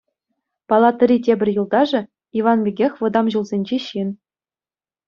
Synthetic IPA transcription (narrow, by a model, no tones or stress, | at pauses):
pɑlˠɑt̪ɤ̆rʲitʲebʲɘ̆rʲjulˠd̪ɑʐɤ̆ | iʋɑnbʲeɡʲexʲʋɤ̆d̪ɑmʑulˠzʲenʲd͡ʑeɕin